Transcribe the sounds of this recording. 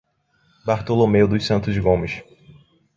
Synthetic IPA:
baɾt̪olomeʊd̪ʊʃsɐ̃nt̪ʊzɡõmɪʃ

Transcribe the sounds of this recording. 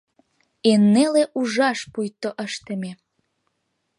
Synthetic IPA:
enːeleʔuʒɑʃpujt̪ːoʔəʃt̪ə̆mʲe

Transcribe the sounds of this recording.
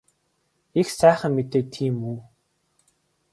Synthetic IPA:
ixsæːχə̆mːet̪eːt̪ʰiːmuː

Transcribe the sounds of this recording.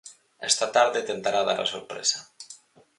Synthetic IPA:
ɛst̪at̪aɾðet̪ent̪aɾaða̰ɾa̰soɾpɾḛsa

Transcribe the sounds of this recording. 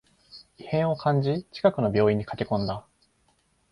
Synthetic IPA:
ihẽ̞ɰ̃o̞kʰãɲd͡ʑit͡ɕi̥kakɯ̟no̞bʲjo̞ːĩɲ̟ːikakʲe̞kõ̞nd̪a

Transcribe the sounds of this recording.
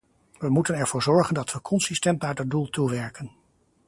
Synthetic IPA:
ʋəmutənɛɹvʊːɹzɔɹχəndɑtʋəkʰɔnsistɛntnaɹdɑdulˠtuʋɛɹkən

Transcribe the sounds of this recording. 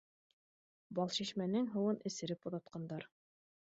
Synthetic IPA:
bɑlˠʃiʃmænɘŋɦɤ̆wɤnʔɘ̆sɘ̆ɾɘpŏðɑt̪̚qɑnd̪ɑɾ

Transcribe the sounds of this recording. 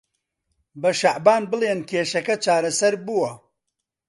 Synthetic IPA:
bɐʃaʕbaːnbɨlˠeːnkʰeːʃɐkɐt͡ʃaːɾɐsɐɾbuwɐ

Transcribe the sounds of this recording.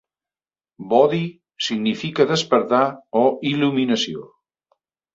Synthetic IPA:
bɔði | siɣnifikəðəspəɾt̪aɔiluminəsio

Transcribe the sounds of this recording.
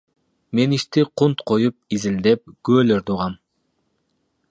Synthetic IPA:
me̞niʃt̪iqʰunt̪qʰojup̚izild̪ep̚ɡ̥øøløɾt̪ʰuʁɑm

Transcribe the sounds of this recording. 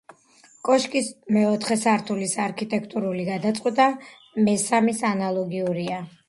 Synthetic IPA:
kʼɔʃkʼismɛɔt̪ʰχɛsaɾt̪ʰulisaɾkʰit̪ʼɛkʰt̪ʼuɾuliɡad̪at̪sʼqʼwɛt̪ʼa | mɛsamisanalˠɔɡiuɾia

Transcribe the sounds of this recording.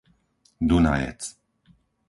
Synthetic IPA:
d̪una̰jɛ̰t͡s

